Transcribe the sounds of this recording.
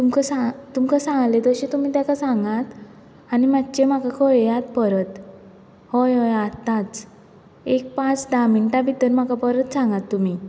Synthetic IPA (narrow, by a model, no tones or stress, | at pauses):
t̪umkəsat̪umkəsãŋɡlet̪əɕet̪um̤iːt̪jakasaŋɡat̪ | añimat̪ːt͡ɕemakakʰojat̪pəɾət̪ | hojɦojat̪ːat͡s | ek̚pãt͡sd̪amiɳʈabʱit̪əɾm̤akapəɾət̪sãŋɡat̪ːum̤i